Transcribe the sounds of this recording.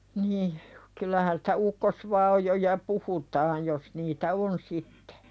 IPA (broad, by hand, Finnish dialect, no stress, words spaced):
nih kylˑæhæn sĭ̥tæ ukːosʋɑːjojɑ puhutɑːj jos niːtæ on sitːe̥